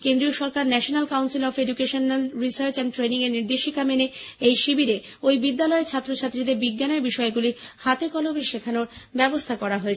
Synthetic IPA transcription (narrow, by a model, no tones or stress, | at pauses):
kẽnd̪ɾioʃɔɾkaɾnɛʃonalkawnsilɔfeɖukeʃonlɾisaɾt͡ɕɛnʈɾeniŋeɾniɾd̪eʃikameneejʃibiɾe | ojbid̪ːalɔet͡ɕʰat̪ːɾot͡ɕʰat̪ːɾid̪eɾbiɡːaneɾbiʃɔeɡulihat̪ekɔlobiʃekʰanoɾbɛbost̪ʰakɔɾaɦoet͡ɕʰ